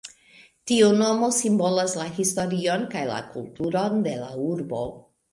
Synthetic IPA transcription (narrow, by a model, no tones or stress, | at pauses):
tiuno̞mo̞simbo̞laslaɦisto̞ɾio̞nkajla̰kultuɾo̞nde̞lauɾbo̞